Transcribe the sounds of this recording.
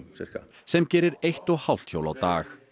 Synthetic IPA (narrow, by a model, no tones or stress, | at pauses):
ɛ | sɛmcɛːɾɪɾejht̪ɔɣhawl̥t̪ço̰wla̰wt̪a̰ːx